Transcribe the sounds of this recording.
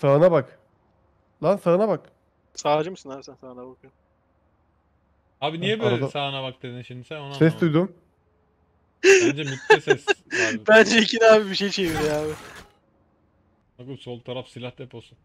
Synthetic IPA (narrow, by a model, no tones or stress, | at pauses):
saɯnabak | lansaɾɯnabak | saːd͡ʒɯmɯsɯnaːbisænsaːnabak | aːbinijɛbøɾalɛd̪asaːnabak̚d̪̥ed̪inʃimd̪isænonasɛsd̪ujd̪um | nd͡ʒɛmyt̪ːɛssbænd͡ʒɛicʰinaːbibiʃejt͡ʃʰeviɾjaːbɪ | aɡusolˠt̪ʰaɾafsilʲahd̪epʰosun